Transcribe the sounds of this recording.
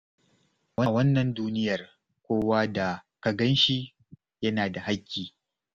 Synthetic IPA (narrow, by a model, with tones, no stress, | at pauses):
wɐ˦˨wɐ˦nːɐ˨nduː˦nɪ˦jɐ˨r | kʷoː˦waː˦da˨kɐ˨ɡɐ˦nʃi˦ | jɐ˦naː˨da˨ha˦kʲːiː˨